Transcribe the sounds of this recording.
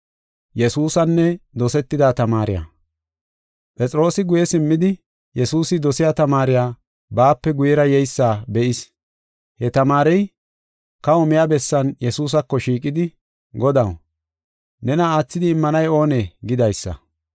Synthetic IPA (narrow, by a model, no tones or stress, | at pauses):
jɛsuːsɐnːɛd̪ɔsɛt̪ːɪd̪aːt̪ɐmaːɾɪ̰ja̰ | pʼɛt͡sʼɾo̞ːsɪɡʊjɛsɪmːɪd̪ɪ | jɛsuːsɪd̪ɔsɪjaːt̪ɐmaːɾɪjaː | baːpːɛɡʊjɛɾɐjɛjsːaːbɛʔɪs | hɛt̪ɐmaːɾɛj | kɐɔmɪjaːbɛsːɐnjɛsuːs̬ɐkːɔʃiːkʼɪd̪ɪ | ɡɔd̪ɐw | nɛnɐaːt͡sːɪd̪ɪːmːɐnɐjo̞ːneɡɪd̪ɐjsːɐ̰